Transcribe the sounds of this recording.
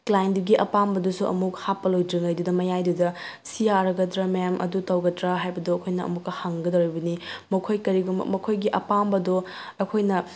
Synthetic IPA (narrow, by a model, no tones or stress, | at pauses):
klajnduɡiʔɐpambɐdusuʔɐ̰mukhapːɐlojdiŋɐjdudɐmɐjajdudɐsijaɾɐɡɐdɾɐmemʔɐ̰dutɐwɡɐtɾaɦajbɐdoɐkʰojnɐɐ̰mukɐhaŋɡɐdɐwɾijbɐnimɐkʰojkɐɾiɡum̰mɐkʰojɡiʔɐpambɐdo | ɐkʰojnɐ